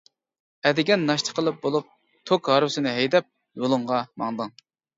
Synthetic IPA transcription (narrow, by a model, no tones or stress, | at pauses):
ɛd̪ɪɡʲɛnːɑʃt̪ʰə̥qʰəlˠɨp̚bolˠup̚ | t̪ʰokɦɑɾwɪsɨnɪɦɛjd̪ɛp̚ | jolˠʊŋʁɑmɑŋd̪ɨŋ